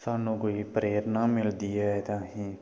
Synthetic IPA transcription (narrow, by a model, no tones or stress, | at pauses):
saːnũːkoːiːpɾeːɾnaːmɪld̪iːɛːt̪ãːɦĩː